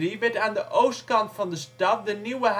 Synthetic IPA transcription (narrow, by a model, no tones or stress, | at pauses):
ibətə̃nðəʔoʊstkɑ̃ntfɑ̃nðəstʌt̚ðənjuəɦ